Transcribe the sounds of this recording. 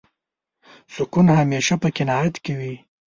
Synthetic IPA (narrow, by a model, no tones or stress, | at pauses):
sʊkunhameʃapəkɪnɑjat̪kɪwi